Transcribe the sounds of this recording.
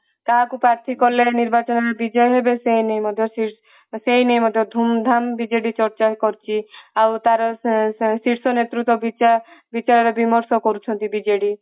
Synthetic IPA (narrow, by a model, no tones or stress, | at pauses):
k̪aɦakupɾaɾt̪ʰikɔleniɾbat͡ʃɔnaɾɔbid͡ʒɔjɦebeseinejmɔd̪ʱjɔsi | senejmɔd̪ʱjɔd̪ʱumd̪ʱambid͡ʒeɽit͡ʃɔɾt͡ʃakɔɾt͡ʃʰiawt̪aɾɔsiɾsɔnet̪ɾut̪ːɔbiabit͡ʃaɾɔɾebimɔɾsɔkɔɾut͡ʃʰɔnt̪ibid͡ʒeɽi